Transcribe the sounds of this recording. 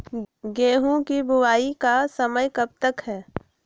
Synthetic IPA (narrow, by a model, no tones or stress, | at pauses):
ɡeːɦõkibʊwaːikasəməjkəb̚t̪əkɦɛː